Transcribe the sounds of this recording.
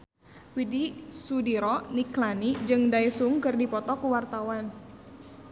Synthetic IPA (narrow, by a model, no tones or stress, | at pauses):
widisudiɾɔniklanid͡ʒɨŋdaisuŋkɨrdipɔt̪ɔkuwart̪awan